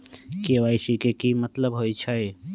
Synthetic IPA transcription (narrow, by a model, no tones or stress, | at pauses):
keʋaːisikekimət̪ləbɦoit͡ʃʰae